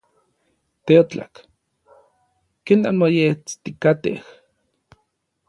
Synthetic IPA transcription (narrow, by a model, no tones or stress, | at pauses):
t̪eot͡ɬa̰k | kenanmojet͡st̪ikat̪ḛh